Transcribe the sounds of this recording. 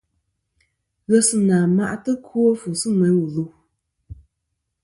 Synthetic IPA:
ɣə˦sɨ˦naː˨ma˦ʔtɨ˦kʰu˦o˦fu˨sɨ˦mɛ˨wu˨lu˦

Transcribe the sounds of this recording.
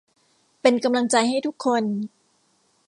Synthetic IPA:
pe˧nka˧mla˧ŋt͡ɕa˧jɦa˥˩jt̪u˦˥kʰːo˧n

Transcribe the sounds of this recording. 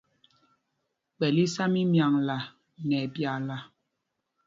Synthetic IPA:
ɓɛ˨li˦sa˦mi˦mja˨ŋla˨ | ŋɛ˨bja˨la˨

